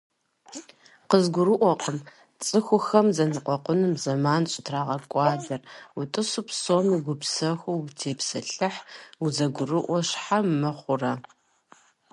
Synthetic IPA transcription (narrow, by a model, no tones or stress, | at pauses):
qəzɡʷʊrɨʔʷɔqʼəm | t͡sʼɨxʷʊxɐmzɐnɨqʷʼɔqʷʊnɨmzɐmaːnɕʼɪtʰraːʁɐkʷʼɑːdɐrutʼɨsʊpsoːmuɡʷʊpsɐxʷuwtʰeːpsɐɬɨħuzɐɡʷʊrɨʔʷɔɕħammɐχʷʊrɐ